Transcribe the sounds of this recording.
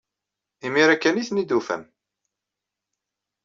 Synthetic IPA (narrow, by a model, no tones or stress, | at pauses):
imiɾækːæniθnid̪ufæ̰m